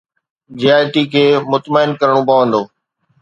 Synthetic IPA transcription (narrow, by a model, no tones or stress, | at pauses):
d͡ʑiaːjʈiːkʰeːmʊt̪məɪnkɐɾəɽ̃õpɐʋə̃nd̪oː